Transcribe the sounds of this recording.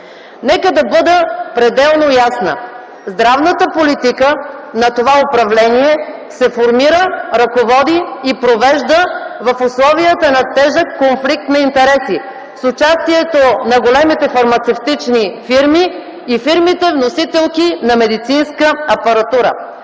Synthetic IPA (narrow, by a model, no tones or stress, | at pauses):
nɛkəd̪ɐbɤd̪əpɾɛd̪ɛlˠnojasnə̰ | zd̪ɾavnət̪əpolit̪ikənɐt̪ovaopɾɐvlɛniɛ | sɛfoɾmiɾəɾɐkovɔd̪iːpɾovɛʒd̪əvɐfʊslˠɔviət̪ənɐt̪ɛʒəkːonflik̚t̪nɐint̪ɛɾɛsi | sʊt͡ʃast̪iɛt̪onɐɡolɛmit̪ɛfɐɾmɐt̪sɛft̪it͡ʃnifiɾmiː | fiɾmit̪ɛvnosit̪ɛlˠkinɐmɛd̪it̪sinskəɐpɐɾɐt̪uɾə̰